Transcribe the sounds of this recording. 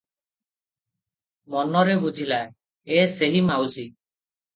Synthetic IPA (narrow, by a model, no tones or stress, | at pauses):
mɔnɔɾebud͡ʒʱilae | eseɦimawsi